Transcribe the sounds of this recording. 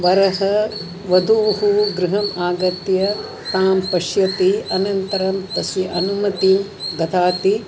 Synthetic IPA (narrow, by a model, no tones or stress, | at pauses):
ʋɐɾɐɦɐ | ʋɐd̪ʱuʋɦuɡɾɪɦɐmaːɡɐt̪jɐ | t̪aːmpɐʃjɐt̪iɐnɐnt̪ɐɾɐmt̪ɐsiʔɐnumɐt̪im | ɡɐt̪ʰaːt̪i